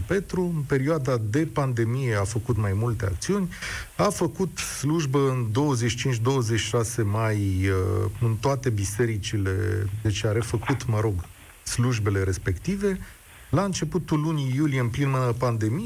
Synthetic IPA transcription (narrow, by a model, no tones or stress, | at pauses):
pe̞t̪ɾuɨnpe̞ɾioad̪ad̪e̞pand̪e̞mije̞afəkut̪majmult̪e̞a̰kt̪siunʲafəkut̪sluʒbəɨnd̪o̞wəzet͡ʃi̥t͡ʃint͡ʃd̪o̞wəze̞t͡ʃi̥ʃase̞majəɨnt̪oat̪e̞bise̞ɾit͡ʃile̞d̪e̞t͡ʃeaɾe̞fəkut̪məɾo̞ɡ | sluʒbe̞le̞ɾe̞spe̞kt̪ive̞ | laɨnt͡ʃe̞put̪ulunijulijeɨmplinmɨnəpand̪e̞mi